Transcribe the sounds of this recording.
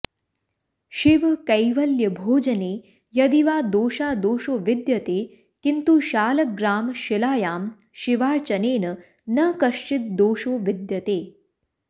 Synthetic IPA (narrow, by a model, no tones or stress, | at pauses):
ʃiʋkɐjʋɐljɐbʱoːd͡ʒəneː | jɐd̪iʋaːd̪oːʃaːd̪oːʃoːʋid̪jɐt̪eː | kint̪uʃaːlɐk̚ɡɾaːmʃilaːjaːm | ʃiʋaːɭt͡ʃɐneːnɐ | nɐkɐʂt͡ʃit̪̚d̪oːʃoːʋid̪jɐt̪eː